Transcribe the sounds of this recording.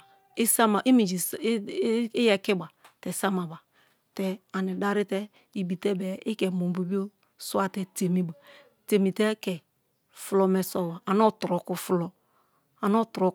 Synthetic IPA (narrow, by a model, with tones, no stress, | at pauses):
i˦sa˦ma˨ʔi˦mi˨d͡ʒi˨˦jɛ˨kɪ˦ba˨tɛ˨sa˦ma˨ba˨ | tɛ˨a˨ni˨da˦ɾɪ˦tɛ˦ | i˨bi˨tɛ˦bɛ˨ɪ˦kɛ˨mo˨˦bo˨bi˦o˦ | su˦a˦tɛ˦te˨mi˦ba˨ | te˨mi˨te˦kɛ˨ | flɔ˦mɛ˨sɔ˦˨ba˨a˨nɔ˦tɾɔ˨ku˨flɔ˦ | a˨n˦ɔ˦tɾo˦